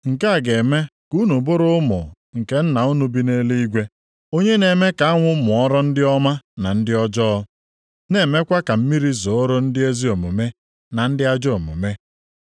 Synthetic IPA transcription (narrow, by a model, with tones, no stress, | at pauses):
ŋ̩˨ka˦a˨ɡe˨me˦ku˦nu˨bʊ˦ɾʊ˦mʊ̰˨ | ŋ̩˨ke˦n̩˦na˨ʊ˦nu˦bi˦ne˦le˦i˦ɡʷe˦ | o˦ɲe˦ne˨me˦ka˨a˦ŋʷʊ˦mʊ˨ɔ˦ɾɔ˦n̩˦dɪ˦ɔ˦ma˦na˨n̩˦dɪ˦ɔ˦d͡ʒɔ˦ | ne˨me˦kʷa˦ka˨m̩˦mi˦ɾi˦zo˨o˦ɾʊ˦n̩˦dɪ˦e˦zi˦o˨mʊ̰˨me˦ | na˨n̩˦dɪ˦a˦d͡ʒo˨mʊ̰˨me˦